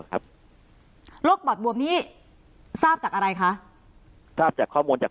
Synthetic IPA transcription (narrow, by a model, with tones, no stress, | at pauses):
ka˦˥p̚ | lo˦˥k̚bɔː˨˩t̪̚bu˨˩əmniː˦˥ | saː˥˩p̚t͡ɕaː˨˩k̚ʔa˧ɾa˧jkʰa˦˥ʔ | saː˥˩p̚t͡ɕaː˨˩kʰɔː˥˩muː˧nt͡ɕaː˨˩